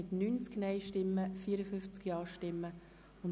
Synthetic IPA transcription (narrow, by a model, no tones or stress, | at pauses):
ɪt̪nyːnt͡sknɛɪʃtɪmːəfiəɾəfʏft͡skjɑːʃtɪmːə | ʊn